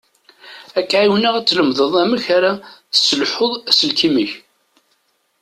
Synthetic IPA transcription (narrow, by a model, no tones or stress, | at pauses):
ækːʕiwnæʁæt͡sːləmðˤəðˤæməçaɾaθsəlħoðˤæsəlkiməç